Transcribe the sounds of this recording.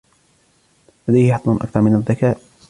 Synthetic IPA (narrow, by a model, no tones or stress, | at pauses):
lad̪ajhɪħɑt̪ˤlɑnʔɑ̰k̚t̪ɑɾˤmɪnaðːakaːʔ